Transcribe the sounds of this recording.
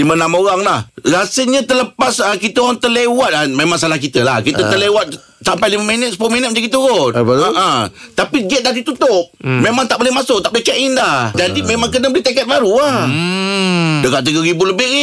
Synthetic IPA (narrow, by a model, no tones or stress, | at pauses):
limənamoɣaŋlahɾasəɲət̪ələpasəkit̪əaŋt̪əlewat̪̚amemaŋsalahkit̪əlahkit̪ət̪əlewat̪̚ | sampajliməmənət̪sə̥poʔminət̪məd͡ʒaɡit̪uɣʊt̪aʔat̪apiɡɛt̪̚dadit̪ut̪ʊp̚memaŋt̪aʔ̚bolɛhmasʊk̚t̪aʔbet͡ʃɛʔɪndad͡ʒadimemaŋkənəbəliht̪akɛt̪̚baɾua | dəɡaʔt̪̬əɡəɾibuləbɪ